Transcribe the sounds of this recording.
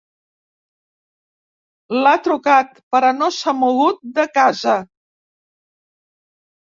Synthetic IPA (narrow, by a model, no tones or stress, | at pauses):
lat̪ɾukat̪̚pəɾənosamuɣut̪̚d̪əkazə